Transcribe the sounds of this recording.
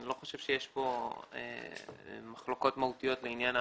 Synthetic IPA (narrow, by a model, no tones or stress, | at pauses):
nilo̞χo̞ʃev̥ʃejeʃbo̞ḛ | maχlo̞ko̞t̪maut̪ijo̞t̪leinjana